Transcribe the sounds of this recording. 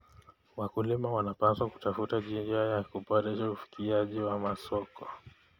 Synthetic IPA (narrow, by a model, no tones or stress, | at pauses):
wakulimawanapaswaku̥tafutaʄind͡ʒajakupaɾɛʃaufi̥kʰiaʄiwamasɔkɔ